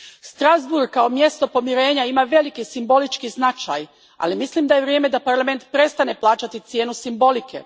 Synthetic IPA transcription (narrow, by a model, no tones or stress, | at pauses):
st̪ɾazbuɾɡkːaomje̞st̪o̞po̞miɾe̞ːɲaimaʋe̞likisimbo̞lit͡ʃkiznat͡ʃa̰ːj | a̰limislimd̪aje̞ʋɾje̞ːme̞d̪apaɾlˠame̞nt̪pɾe̞st̪ane̞plˠaːt͡ʃat̪it̪sje̞ːnusimbo̞likʰe̞̰